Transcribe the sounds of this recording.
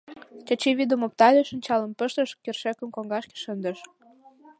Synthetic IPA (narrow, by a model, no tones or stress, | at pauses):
t͡ɕɑt͡ɕeβid̪əmop̚t̪ɑlʲeʃə̆nʲt͡ɕɑlə̆mpəʃt̪əʃkerʃekə̆mkoŋɡɑʃke̥ʃənd̪ə̆ʃ